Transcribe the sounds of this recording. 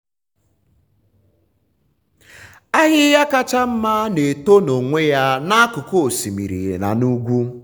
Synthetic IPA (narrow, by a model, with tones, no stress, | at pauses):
a˦ɣɪ˦ja˦ka˦t͡ʃa˦m̩˦ma˦ne˨to˦no˨ŋʷe˦ja˦na˦a˦kʊ˨ko˦˨si˨mḭ˨ɾḭ˨ɣḛ˨na̰˨nu˦ɡʷu˦